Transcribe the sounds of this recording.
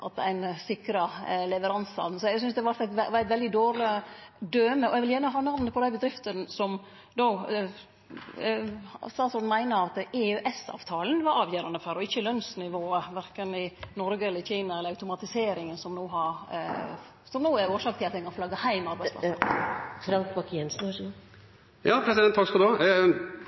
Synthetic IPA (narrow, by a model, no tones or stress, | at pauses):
ʔɑt̪æ̰ɪnsɪkɾɑlɛʋəɾɑnsɑ̰ʋn̩sɔɛɡsʏnsd̪ɛʋɑɾt̪æɪt̪ʋɾæt̪ʋɛld̪ɪd̪oːɾəd̪øːməɔɛɡʋɪljæːɳəɦɑːnɑʋnəpʰɔd̪æɪbəd̪ɾɪft̪ənsɔm | d̪o | st̪ɑːt̪sɔnmæɪnəɑt̪eʉʔɛsɑ̰ːʋt̪ʰɑːlən̩ʋɑɾʔɑːʋjøːɾɑnəføɾɔɪçːəlœnsnɪʋoːəʋæɾkənɪnɔɾɡəɛlːəɾçiːnɑɛlːəɾɑʉt̪ʊmɑt̪ɪseːɾɪŋənsɔmnoːɦɑɾ | sɔmnoːæɾoːʂɑːkt̪ʰɪlɑt̪ɛɪkɑnfɔlɑɡːəhæɪmɑɾbæɪsplɑ̰ | fɾɑŋk̪bɑkjɛnsn̩ɑ | jɑːpʰɾɛsɪd̪ɛnt̪ʰːɑkfɔd̪oː